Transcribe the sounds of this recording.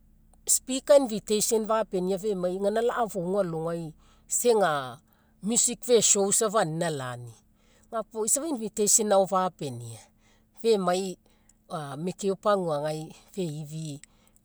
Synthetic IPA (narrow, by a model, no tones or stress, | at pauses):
spikainvitejsonvape̞niave̞majŋanalaʔavoŋualoŋaj | se̞ŋa | mjusikve̞ʃo̞wsavaninala̰ni | ŋapoisavainvitejsenaovape̞nḭa | ve̞maj | ame̞keopaŋuaŋajve̞ivi